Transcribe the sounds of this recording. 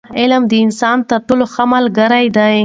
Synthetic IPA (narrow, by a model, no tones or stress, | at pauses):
ɪlmd̪əɪnsɑnt̪at̪ʊloxamalɡaɾajd̪aj